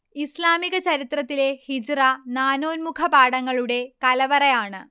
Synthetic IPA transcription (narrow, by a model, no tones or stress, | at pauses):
islaːmiɣɐt͡ɕɐɾit̪rɐt̪ːile̞hid͡ʑranaːno̞ːnmukʰɐbaːɽɐŋːɐɭuɽe̞kɐlɐʋɐrɐjaːɳɨ